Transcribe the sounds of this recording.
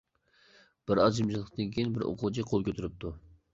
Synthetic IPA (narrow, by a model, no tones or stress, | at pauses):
b̥ɪɾɑzd͡ʒimʃʰɨlˠəqd̪ɨŋkʲʰijinbɪɾo̰qʰʊlˠt͡ʃʰiqʰolˠkʲøt̪ʰyɾyp̚t̪ʰu